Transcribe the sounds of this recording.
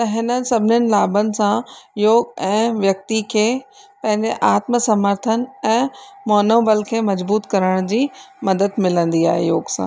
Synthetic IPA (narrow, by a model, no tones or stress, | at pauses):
t̪ɐɦɪnənɪ̆sɐbʱɪnənɪ̆laːbənɪ̆sãjoːɡɛ̃ːʋjɐk̚t̪ikʰeːpɐ̃ɦɪ̃ɲd͡ʑeʔaːt̪məsɐməɾt̪ʰənɛ̃ːmɔːnoːbəlkʰeːmɐzbuːt̪kɐɾəɽ̃d͡ʑiːmɐd̪əd̪mɪlə̃nd̪ia̰ːɦejoːɡsã̰ː